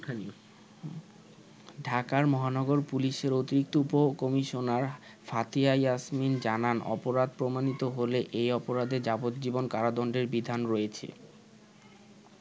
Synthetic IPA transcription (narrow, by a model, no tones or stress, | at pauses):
anio | ɖʱakaɾmɔɦanɔɡoɾpuliʃeɾot̪iɾik̚t̪oupokɔmiʃonaɾ | fat̪iajasmind͡ʑananʔɔ̰poɾad̪̚pɾomanit̪oɦoleʔejɔpoɾad̪ed͡ʑabot̪̚d͡ʑibonkaɾad̪ɔɳɖeɾbid̪ʱanɾɔet͡ɕʰḛ